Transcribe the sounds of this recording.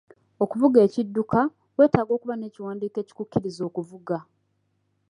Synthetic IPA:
o̞kuvuɡe̞ːcidːuka | we̞ːtaːɡo̞ːkuβane̞ːciwaːndiːke̞ːci̥kucːiɾizo̞ːkuvuɡa

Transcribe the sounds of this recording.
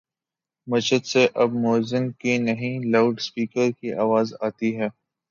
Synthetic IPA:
mɐʃəd̪seʔɐbmɔːzɪ̃mkinɐɦĩlaʊɖspiːkəɾkiʔaːʋaːzaːt̪iɦɛː

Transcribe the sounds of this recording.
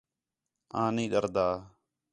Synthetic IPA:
ãːnĩːɗəɾd̪aː

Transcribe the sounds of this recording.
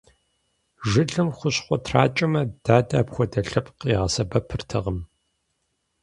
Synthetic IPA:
ʒɪɮɨmχʷʊɕχʷɔtʰraːt͡ʃʼɐmɐd̥aːdɐːpxʷɔdɐɬɐpqiːʁɐsɐbɐpʰɨrtʰɐ̰ʁəm

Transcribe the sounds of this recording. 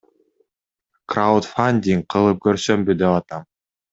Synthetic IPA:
kraut̪fanʲd̪ʲiŋ̚qʰɯlˠɯp̚køɾsømbyd̪epɑt̪ɑm

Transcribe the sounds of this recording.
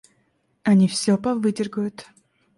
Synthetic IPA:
ɐnʲifsʲɵpɐvɨdʲɪrɡəjʊt̪

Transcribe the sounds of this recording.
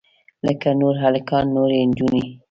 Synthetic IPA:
ləkanoɾɦalakɑnːoɾend͡ʒune

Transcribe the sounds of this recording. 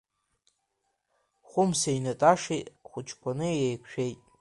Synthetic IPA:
χʷʊmseinatʼaʂitʼχʷʊt͡ʃʰkʰʷanɨjejkʷʰʃᶣejtʼ

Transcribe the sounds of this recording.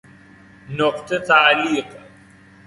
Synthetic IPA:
nɔqt̪ʰət̪aʕliːq

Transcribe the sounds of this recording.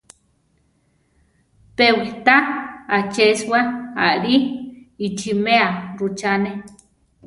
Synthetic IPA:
pewit̪aat͡ʃeswaa̰ʔɾiit͡ʃimeaɾut͡ʃane

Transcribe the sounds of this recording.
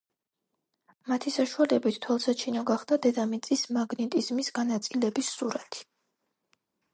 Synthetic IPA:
mat̪ʰisaʃualɛbit̪ːʰwɛlˠsat͡ʃʰinɔɡaχd̪̥ad̪ɛd̪amit̪sʼismaɡnɛt̪ʼizmisɡanat̪sʼilɛbisuɾat̪ʰi̥

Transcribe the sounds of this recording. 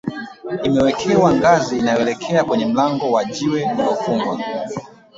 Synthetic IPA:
imɛwɛkʰɛwaŋɡaziːnajɔɛlɛkʰɛakwɛɲɛm̩laŋɡɔwad͡ʒiwɛndɔkuŋɡwa

